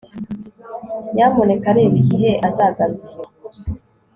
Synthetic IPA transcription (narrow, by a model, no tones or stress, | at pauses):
jamone̞kaɾeːβiɟiɦeʔazaːɡaɾuki